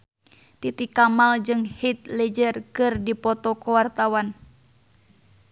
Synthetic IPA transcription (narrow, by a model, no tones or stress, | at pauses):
t̪it̪ikamald͡ʒɨŋhit̪̚lɛd͡ʒərkɨrdipɔt̪ɔkɔwart̪awan